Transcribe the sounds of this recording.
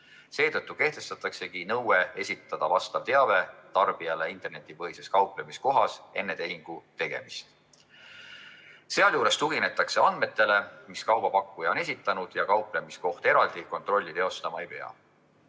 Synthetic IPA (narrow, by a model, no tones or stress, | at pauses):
se̞ːt̪ɤt̪ːuke̞ht̪e̞st̪ɑt̪ːˑɑkse̞kinɤwe̞e̞sʲit̪ːˑɑd̪̥ɑvɑst̪ɑv̥t̪e̞ɑve̞t̪ɑrb̥iɑle̞int̪ˑe̞rne̞t̪ːˑipɤjse̞skɑwple̞misko̞ɦɑse̞nːe̞t̪e̞iŋɡ̥ut̪e̞ɡ̥e̞̰mist̪ | se̞ɑljuːɾe̞st̪uɡine̞t̪ːˑɑkse̞ɑnd̪̚me̞t̪ːˑe̞le̞miskɑwb̥ɑpɑkːujɑo̞ne̞s̬ʲit̪ːˑɑnud̪̥jɑkɑwple̞misko̞ht̪e̞ɾɑld̪̥iko̞nt̪ro̞lʲːit̪e̞o̞st̪ɑmɑejpe̞ɑ̰